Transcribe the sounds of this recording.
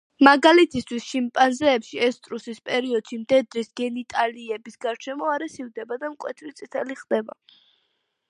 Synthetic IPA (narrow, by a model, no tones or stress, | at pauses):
maɡalɛt̪ʰist̪ʰwist͡ʃʰimpʼanzɛːpʃiɛst̪ʼɾusispʼɛɾiɔd̪̥ʃimd̪ɛd̪ɾisɡ̥ɛnit̪ʼaliɛbisɡaɾt͡ʃʰɛmɔaɾɛsivd̪ɛbad̪amkʼwɛ̰t̪ʰɾit̪sʼit̪ʰɛliχd̪ɛba̰